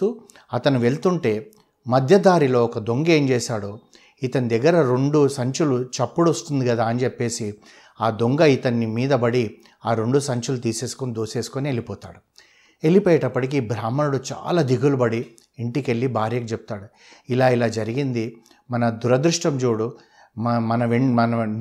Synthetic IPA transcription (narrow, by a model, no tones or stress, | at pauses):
u | ɐt̪ɐnuʋe̞ɭt̪uɳʈe̞ː | mɐd̪ʱjɐd̪aːɾilo̞ːɔkɐd̪o̞ŋɡe̞ːmd͡ʒeːsaːɽoː | it̪ɐnid̪ɛɡːɐɾɐɾe̞ɳɖusɐɲt͡ʃulut͡ʃɐpːuɽost̪und̪iɡɐd̪aːɐnit͡ʃepːe̞ːsi | aːd̪o̞ŋɡɐit̪ɐnːimiːd̪ɐbɐɽi | aːɾe̞ɳɖusɐɲt͡ʃulut̪̬iːse̞ːsu̥konid̪oːse̞ːsu̥konie̞lipɔːt̪a̰ːɽu | e̞lipɔːjɐʈɐpːɐʈik̬ibɾaːmɐnɐɽut͡ʃa̰ːlaːd̪iɡulɐbɐɽi | iɳʈike̞lːibʱaːɾjɐɡɐt͡ʃepu̥t̪aːɽu | ilaːilaːd͡ʒɐɾiɡind̪i | mɐnɐd̪uɾɐd̪ɾuʂʈɐmd͡ʒuːɽu | mɐnɐʋemɐnɐ